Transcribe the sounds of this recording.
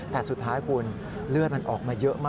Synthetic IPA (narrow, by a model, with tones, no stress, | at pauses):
t̪ɛː˨˩su˨˩t̪ʰːaː˦˥jkʰu˧ən | lɯ˥˩ət̪̚ma˧nʔɔː˨˩k̚maː˧jɤ˦˥ʔmaː˥˩